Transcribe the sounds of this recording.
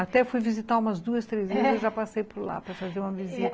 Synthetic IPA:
at̪ɛfujvizit̪aũmɐzd̪uɐst̪ɾezezewʒapasejpoɾla̰pɾɐfazeɾũmɐvizit̪

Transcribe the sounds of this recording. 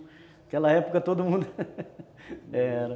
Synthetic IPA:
ɐkɛlɐɛpukɐt̪od̪umũnd̪ʊ | ɛɾɐ

